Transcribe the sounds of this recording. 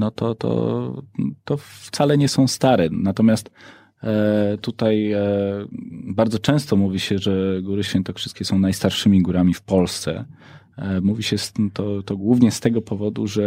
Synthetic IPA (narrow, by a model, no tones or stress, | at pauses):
nɔt̪ɔ̰t̪ɔ̰ | t̪ɔft̪salɛɲɛsɔ̃w̃st̪aɾɛnat̪ɔmʲast̪ | t̪ut̪aj | baɾd̪zɔt͡ʂɛ̃st̪ɔmuvʲiɕɛʐɛɡuɾɘɕfʲɛnt̪ɔkʂɘ̥st̪kʲɛsɔ̃w̃najst̪aɾʂɘmʲiɡuɾamʲifpɔlst̪sɛ̰ | muvʲiɕɛst̪ɔt̪ɔɡwuvɲɛst̪ɛɡɔpɔvɔd̪uʐɛ